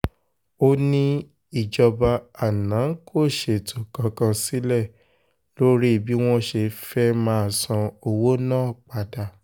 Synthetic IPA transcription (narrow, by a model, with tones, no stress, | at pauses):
o˦nĩ˦ | i˦˨d͡ʒɔ˧ba˧a˨nã˨˦kʰo˦˨ʃe˨tʰo˨kã˧kã˧si˦lɛ˦˨ | lo˦ɾi˦˨bi˨˦w̃ɔ̃˦ʃe˧fɛ˦mãː˦˨sã˧o˨wo˦nãː˦˨k͡pa˨da˨